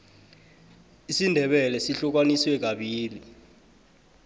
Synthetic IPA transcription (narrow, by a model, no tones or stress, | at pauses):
isindʱɛɓɛlɛsiɬɔk̬waniswɛk̬aɓiːli